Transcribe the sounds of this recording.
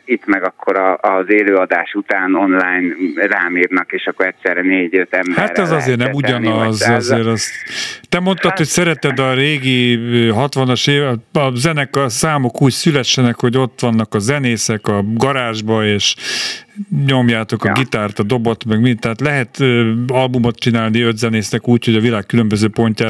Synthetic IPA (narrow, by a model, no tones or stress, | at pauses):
it̪mɛɡɒkʰːo̞ɾɒːzeːløːɒd̪aːʃut̪aːno̞nlaːjnraːmiːrnɒkeːʃɒkoɛt̪sɛɾɛneːɟøt̪ɛmhaɛzɒzeːrnɛmuɟɒnɒzɒzeːɾɛst̪ɛmo̞nt̪ɒt̪ho̞csɛɾɛt̪ɛd̪ɒɾeːɡiøːɦɒt̪ʋɒnɒʃeːɒzɛnɛkɒsaːmo̞kuːcsylɛʃːɛnɛkho̞ɟo̞t̪ʋɒnːɒkɒzɛneːsɛkɒɡɒɾaːʒbɒeːʃ | ɲo̞mjaːt̪o̞kɒɡit̪aːrt̪ɒd̪obo̞t̪mɛɡmit̪ɛɦat̪lɛɦɛt̪øːɒlbumo̞t̪̚t͡ʃinaːlniød̪zɛneːsnɛkuːcho̞ɟɒvilaːkkːylømbøzøːpo̞ɲcaː